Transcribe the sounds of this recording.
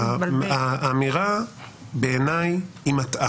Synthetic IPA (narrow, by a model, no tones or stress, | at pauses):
aːmiʁa | beenaj | imat̪a